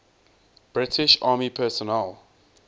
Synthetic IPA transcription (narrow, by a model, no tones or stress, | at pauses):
b̥ɹɪtʰɪʃɑːmipʰɛːsɔnɛl